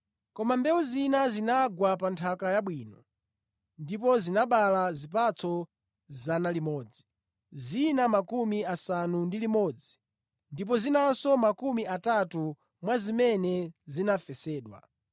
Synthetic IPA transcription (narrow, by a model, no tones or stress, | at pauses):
kɔmambɛwuzinazinaɡwapantʰakajaɓwiːnɔ | ndip̬ɔzinaɓalazip̬at͡sʰɔ | zanalimɔːd͡zi | zinamakumiasanundilimɔd͡zi | ndip̬ɔzinansɔmakumiatatu | mwazimɛnɛzinafɛsɛːɗwa̰